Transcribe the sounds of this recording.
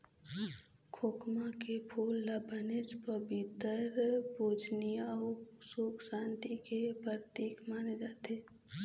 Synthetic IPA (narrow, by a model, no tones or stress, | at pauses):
kʰoːkmakepʰuːlːabʱənɪd͡ʒpəbɪt̪əɾbuːd͡ʒnijaʊsuːksãːnt̪ikepəɾt̪iːkmaːned͡ʒaːt̪eː